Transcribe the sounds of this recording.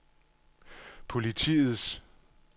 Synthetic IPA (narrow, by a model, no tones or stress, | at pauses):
pʰo̝lit͡sʰḭːð̩ˠs